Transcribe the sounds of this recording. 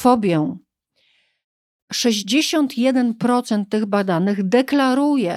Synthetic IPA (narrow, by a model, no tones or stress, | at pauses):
fɔbʲjɛ̃ | ʂɛʑd͡ʑeɕɔnt̪ʰjɛd̪ɛnpɾɔt̪sɛnt̪ːɘɣbad̪anɘɣd̪ɛklaɾujɛ